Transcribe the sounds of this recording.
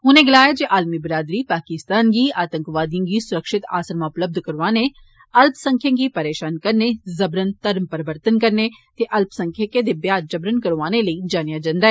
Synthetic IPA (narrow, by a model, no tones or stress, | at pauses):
ɦʊnẽːɡɪlaːjaːd͡ʒeːʔaːlmiːbɾaːd̪ɾiːpaːkɪst̪aːnɡiːaːt̪ə̃ŋkʋaːd̪ijə̃ɡiːsʊɾəkʃɪt̪a̰ːsəɾmãːʊpləb̚d̪ʱkəɾʋaːneː | əlpsə̃ŋkʰjãːɡiːpəɾeːʃaːnkəɾneːzəbɾənt̪əɾmpəɾəʋəɾt̪ənkəɾnet̪eːʔɐlpsə̃ŋkʰjekẽd̪eːbjaːdd͡ʒəbɾənkəɾʋaːneləiːd͡ʒaːnijaːd͡ʒãːnd̪aːɦɛː